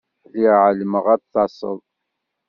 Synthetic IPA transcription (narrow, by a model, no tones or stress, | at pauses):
liʁʕləməʁæθɑsˤə̰lˤ